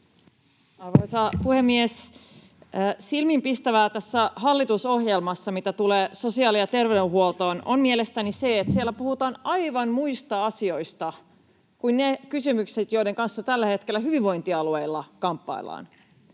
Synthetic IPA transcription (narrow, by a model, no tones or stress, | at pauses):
ɑrʋojsɑpuhemːiesː | silmimpist̪æʋæːt̪æsːæhɑlːit̪uso̞hjelmɑsːɑmit̪æt̪uleːso̞siɑːlijɑt̪e̞rʋedeɦuolt̪o̞ːno̰mmielest̪ænise̞et̪sielːæpuhut̪ɑːnɑjʋɑnmuist̪ɑɑsio̞ist̪ɑ | kuinnekysymykset̪jo̞ide̞ŋkɑnsːɑt̪ælːæhe̞t̪kelːæɦyʋiʋʋo̞jnt̪iɑlueilːɑkɑmpːɑ̰ilːˑɑ̰ːn